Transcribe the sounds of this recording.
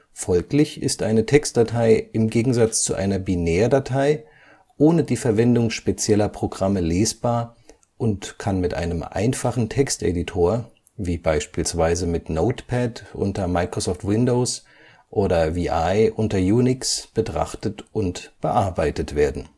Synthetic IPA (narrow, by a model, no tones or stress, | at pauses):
fɔlklɪçɪ̰stʔaɪnətʰɛkst̚d̥atʰaɪʔɪmɡeːɡŋ̩zat͡st͡sṵʔa̰ɪnɐbinɛːɐdatʰaɪ | ʔoːnədiːfɛɐvɛndʊŋʃpet͡sjɛlɐpʁ̥oɡʁaməleːsb̥aːɐ | ʔʊntkʰanmɪtʔa̰ɪnəmʔa̰ɪnfaχn̩tʰɛkstʔḛditʰoːɐ | viːbaɪʃpiːlsv̥aɪzəmɪtnoʊtpʰɛtʔʊ̰ntɐmaɪkʁ̥ozɔːftwɪndoʊs | ʔoːɾɐviːʔaɪʔʊntɐjuːnɪksb̥ətʁ̥a̰χtətʔʊntb̥əʔaɐbaɪtətv̥eːɐdn̩